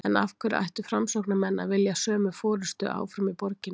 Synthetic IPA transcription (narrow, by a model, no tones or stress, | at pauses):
ɛnafkʰvʏɾa̰jht̪ʏ̥fɾamsɔwknamɛnːa̰vɪljasœːmʏfɔːɾʏst̪ʏ̰ʔa̰ːwfɾʏmipɔɾcɪn